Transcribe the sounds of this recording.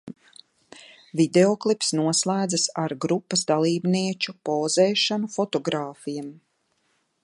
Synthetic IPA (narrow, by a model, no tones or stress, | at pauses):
vid̪eoklˠipsnuɔslˠaːd̪zasaɾɡɾupːɐsd̪alˠiːbniɛt͡ʃupoːzeːʃanufɔt̪ɔɡɾaːfijam